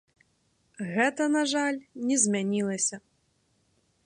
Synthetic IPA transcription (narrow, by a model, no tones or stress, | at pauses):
ɣɛt̪ɐnaʐalʲnʲɛzʲmʲanʲilˠɐsʲɐ